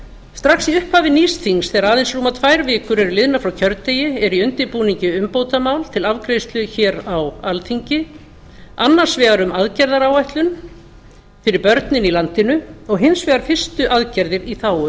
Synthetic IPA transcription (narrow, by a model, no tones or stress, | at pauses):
st̪ɾaxsiʏhphaːvɪniːsθiŋsθɛaɾaːðɪnsruːmat̪ʰvajɾvɪːkʏɾɛɾʏlɪðnafɾawcʰœɾt̪eːjɪɛɾiʏnt̪ɪɾpuːniɲcɪʏmpoːwt̪amaːwlt̪ʰɪlavkɾeːst̪lʏçɛːɾawalt̪ʰiɲcɪ | anːaɾ̥svɛːɣaɾʏmaðcɛɾðaɾaːwajht̪lʏn | fɪɾɪɾpœɾt̪nɪnilant̪ɪnʏɔɣɦɪnsvɛːɣaɾfɪr̥st̪ʏʔaðcɛɾðɪɾiθaːwʏ